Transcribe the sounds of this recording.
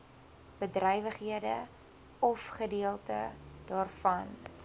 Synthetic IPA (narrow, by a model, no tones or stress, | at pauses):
b̥ədrɛjvəχɦiədə | ɔfχədiəlˠtə̰dɑːrfɐn